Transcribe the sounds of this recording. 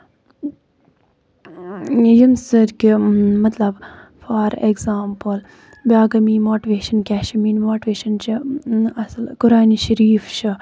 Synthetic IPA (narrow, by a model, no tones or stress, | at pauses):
jimsɨɾkʲimɐt̪lɐb | faːɾeɡzaːmpɨl | bʲaːɡɐmiːmoːʈiʋeːʃɐnkʲaːʃimiːnmoːʈiʋeːʃɐnt͡ʃɨɐslkuɾaːniʃɐɾiːft͡ʃʰɨ